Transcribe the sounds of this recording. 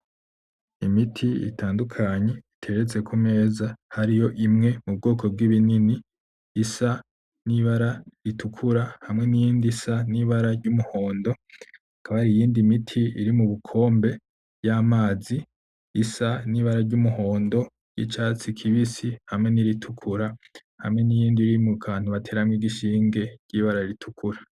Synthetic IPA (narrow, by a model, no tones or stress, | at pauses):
imitʰiḭtʰaːndukʰaɲe̞itʰe̞ɾet͡se̞kʰume̞ːzahaɾijo̞ʔimŋe̞mub̚ɡoːkʰo̞b̚ɡiβininiː | sa | niβaɾaɾitʰukʰuɾahamŋe̞nijiːndisaniβaɾaɾɟumuho̞ːndo̞ | akʰaβaaɾijiːndimitʰiiɾimuβukʰo̞ːmbe̞ | jamaːziː | saniβaɾaɾɟumuho̞ːndo̞ | ɟ̥ḭt͡ʃaːt͡sikʰiβisihamŋe̞niɾitʰukʰuɾa | hamŋe̞nijiːndiɾimukʰaaːn̥uβatʰe̞ːɾamŋiɡiʃiːŋɡe̞ɾɟ̥iβaɾaiɾitʰukʰuɾa